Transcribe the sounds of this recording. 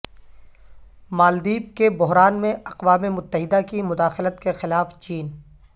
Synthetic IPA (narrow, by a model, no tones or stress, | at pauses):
maːld̪iːb̚kebʊɦɾaːnmẽʔɐqʋaːmemʊt̪ːəɦɪd̪akimʊd̪aːxɪlət̪kexɪlaːft͡ʃiːn